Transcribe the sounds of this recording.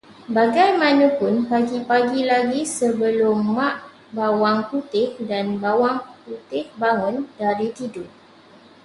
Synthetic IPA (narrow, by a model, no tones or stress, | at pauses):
baɡajmãnə̃pʊnpaɡipaɡilaɡisəbəlʊmːaʔ | bawaŋput̪ɪk̚danbawaŋput̪ɪk̚baŋʊ̃ndaɾit̪idʊ